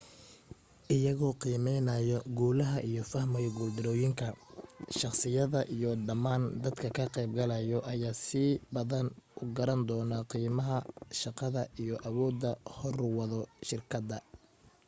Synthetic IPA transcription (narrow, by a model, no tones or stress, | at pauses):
ʔɪjɐɣɔːqiːmɛjnɐjɔɡuːlɐɦɐʔijɔfɐhmɐjɡʊld̪ɪɾɔːjɪŋkʰɐʃɑχsɪjɐðɐʔijɔɖɐmaːnd̪ɐd̪kʰɐkʰɐqɛjb̚ɡɐlɐjɔʔɐjaːsɪbɐðɐnʊɡɐɾɐnd̪ɔːnɐqiːmɐɦɐʃɑqɑðɐijɔʔɐwɔːd̪ːɐhɔrwɑðɔʃɪrkʰɐd̪ɐ